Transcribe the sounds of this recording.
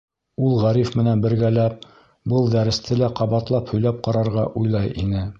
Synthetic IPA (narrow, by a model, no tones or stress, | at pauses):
ulˠʁæɾifmɘ̆nænbɘ̆ɾɡælæp̚ | bɤlˠd̪æɾɘ̆st̪ʰɘlæqɑβɑt̪lˠɑphɵ̆jlæp̚qɑɾɑɾʁɑʔujlˠɑjʔinɘ